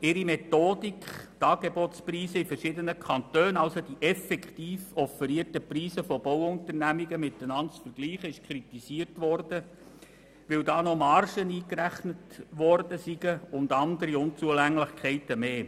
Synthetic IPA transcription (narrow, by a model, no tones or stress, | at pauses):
ɪɾimet̪oːd̥ikχtɑːɡebɔtspriːsəifərʃɪdənəkʰχɑnt̪øːnɑlsod̥iʔɛfɛkʰtiːfɔfəɾiətəpriːsəfɔbɔwʊntərnæmiɡəmɪt̪ːənɑntsfəɾɡ̥liːχəɪʃkʰɾitisiːərtʋɔrd̥ə | ʋɪldɑːnɔmɑrʃəniːkɾæχnətʋɔrdəsiɡəʊnd̪ɑndəɾiʊnt͡suəlæŋlɪχkʰɛɪtəmeː